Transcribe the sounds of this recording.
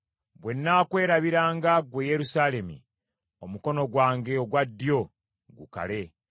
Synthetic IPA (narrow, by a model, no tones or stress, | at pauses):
bwe̞nːaːkwe̞ːɾaβiɾaːŋɡaɡweje̞ɾusaːle̞mḭ | o̞muko̞no̞ɡwaːŋɡe̞oɡwadːjo̞ | ɡṵka̰le̞